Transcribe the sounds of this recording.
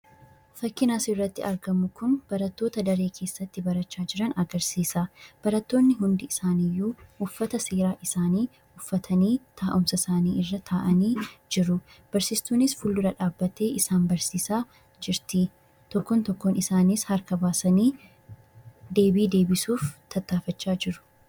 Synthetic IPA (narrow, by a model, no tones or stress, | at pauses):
fɐkːɪnaːsɪrːɐt̪ːɪʔɐɾɡɐmʊkʊnb̥ɐɾɐt̪ːo̞ːt̪ɐd̪ɐɾe̞ːkʰe̞ːsːɐt̪ːɪbɐɾɐt͡ʃːaːd͡ʒɪɾɐnɐɡɐɾsiːsɐb̥ɐɾɐt̪ːo̞ːnːɪɦʊnd̪ɪɪsaːnijːuːhʊfːɐt̪ɐseːɾaːʔɪsaːniː | ʊfːɐt̪ʰɐniːt̪ʰaːʔʊmsɐsaːniːʔɪrːɐt̪ʰaːʔɐniːd͡ʒɪɾʊ | b̥ɐɾsiːst̪uːnɪsfʊlːʊɾɐᶑaːbːɐt̪e̞ːʔɪsaːnbɐɾsiːsaː | d͡ʒɪɾt̪ɪ | t̪ɔkːɔnt̪ɔkːoːnɪsaːniːshɐɾkɐbaːsɐniː | d̪e̞ːbiːd̪e̞ːbɪsuːft̪ʰɐt̪ːaːfɐt͡ʃːaːd͡ʒɪɾʊ̥